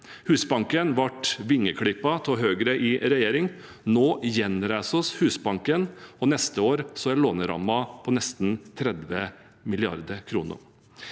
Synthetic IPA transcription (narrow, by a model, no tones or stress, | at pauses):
hʉːsbɑŋkənʋɑʈʋɪŋːəkʰɽɪpːɑt̪ʰɔɦøːɡɾəʔɪɾɛjeːɾɪŋ | noːjɛnɾæɪsɔshʉːsbɑŋkənɔnɛst̪əoːɾsɔæɭoːnəɾɑ̰mɑpʰɔnɛst̪nt̪ʰɾɛd̪ʋə | mɪlɪɑ̰ɾd̪əkʰɾuːnə̰ɾ